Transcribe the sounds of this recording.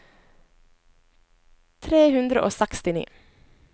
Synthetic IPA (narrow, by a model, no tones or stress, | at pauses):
t̪ʰɾeːhʉnd̪ɾə̰ʔo̰ːsækst̪ɪnḭː